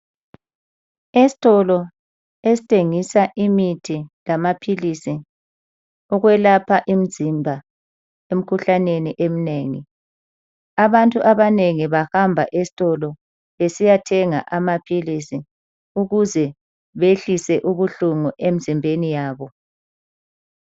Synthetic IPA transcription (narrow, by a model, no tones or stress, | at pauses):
esi̥tʼɔlɔ | esi̥tʰʼeŋisaʔimitʰilamapʰilisi | ɔɣwɛlapʰaʔim̩zimbʱa | em̩kʰuɬaneniʔem̩neːŋḭ | aβantʼuʔaβaneŋiβahambʱaʔesi̥tʼɔlɔ | βesijatʰɛŋa̰ʔamapʰilisi | uɣuzɛ | βeɬisɛʔuβuɬuŋuʔem̩zimbʱenijaːβɔ